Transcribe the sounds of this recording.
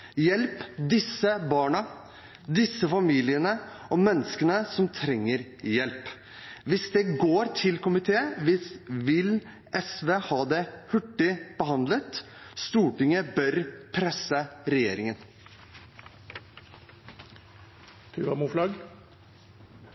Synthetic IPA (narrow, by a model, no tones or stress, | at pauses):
jɛlpd̪ɪsːəbɑːɳɑ | d̪ɪsːəfɑmiːlɪənəɔmɛnːəskənəsɔmt̪ʰɾɛŋːəɾjɛlp | ʋɪsd̪ɛɡoːɾt̪ʰɪlkʊmɪt̪ʰeːəʋɪsʋɪl | ʔɛsʋeːhɑːd̪ɛhʉʈːɪb̥əhɑnd̪lət̪st̪uːʈɪŋəbœɾpʰɾɛsːəɾɛjeːɾɪŋən | pʰʉːʋɑmuːflɑɡ